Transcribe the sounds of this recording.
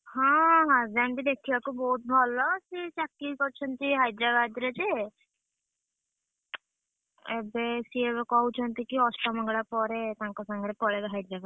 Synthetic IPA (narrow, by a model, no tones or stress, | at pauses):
hãɦãzanbid̪ekʰiakubɔɦut̪̚bʱɔlɔsit͡ʃakːikɔɾt͡ʃʰɔnt̪iɦajd̪ɾabad̪ɾed͡ʒe | ebesiebekɔaɦwt͡ʃʰɔnt̪ikiɔsʈɔmɔŋɡɭapɔɾet̪ãŋkɔsaŋɡɾepɔɾebeɦajd̪ɾabad̪